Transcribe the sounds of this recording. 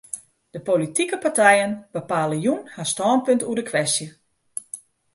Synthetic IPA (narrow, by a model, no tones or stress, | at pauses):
d̥əpolitikəpatɛjənbəpaːləjunhastɔːnpøntuədəkʰʋɛstjə